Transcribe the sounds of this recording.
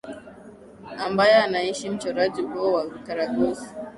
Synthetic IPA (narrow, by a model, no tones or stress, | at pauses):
ʔambajanajiʃimt͡ʃɔɾad͡ʒibowakaɾatos